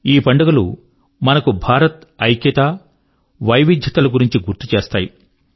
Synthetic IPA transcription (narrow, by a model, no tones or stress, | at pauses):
iːpɐɳɖɐɡɐlu | mɐnɐkubʱaːɾɐt̪ɐjkit̪a | ʋɐjʋid̪ʱjɐt̪ɐluɡuɾiɲt͡ʃiɡuɾt̪ut͡ʃeːst̪aːji